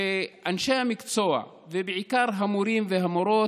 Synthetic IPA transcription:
eʔanʃeamikt͡soa̰ | vebeʕikaɾɦamuɾimveɦamoɾo̞

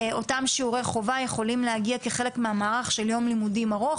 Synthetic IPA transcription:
o̞tamʃiuʁejχo̞vajeχo̞limlehaɡiake̞χe̞le̞kmeamaːʁaχʃeljo̞mlimudimaʁo̞

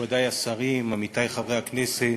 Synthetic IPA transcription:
vad̪ajasaʁimamit̪ajχavʁeaknese

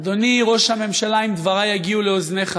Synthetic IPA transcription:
d̪o̞niʁo̞ʃhame̞mʃalaimd̪vaʁajaɡiuleozneχ

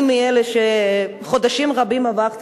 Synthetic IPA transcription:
mːieleʃe | χo̞d̪aʃimʁabimavaʁt̪

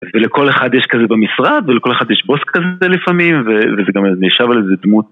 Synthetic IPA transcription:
veleko̞leχad̪jeʃkazebamisʁad̪veleko̞le̞χad̪jeʃbo̞skʰazelifamimvevezeɡamneʃavalezed̪mut̚

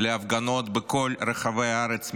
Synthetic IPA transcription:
leavɡano̞t̪beko̞lɾeχave̞jaaɾet͡s

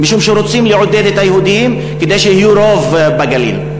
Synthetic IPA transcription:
miʃumʃeɾot͡simliʕod̪ed̪et̪ajehud̪ijim | ked̪ejʃehijuɾovbeɡalḭl

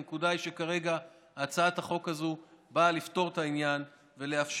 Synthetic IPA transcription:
kudajʃekaʁe̞ɡaː | t͡saat̪haχo̞khazubalift̪o̞ʁ̞t̪ainjan | ve̞leafʃ

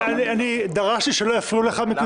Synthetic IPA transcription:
anianid̪aʁaʃtiʃelo̞jafluleχamiku

